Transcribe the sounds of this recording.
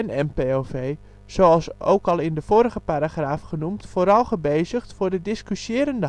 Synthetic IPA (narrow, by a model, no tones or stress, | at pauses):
ɛnɛmpeovej | z̥owɑlˠso̰ːwkɑlˠɪndəv̥oːɾəɣəpaɾaχraːfχənumtfoːɾɑlˠχəbeːzəxtfʊːrdədɪskysjɪːɾəndə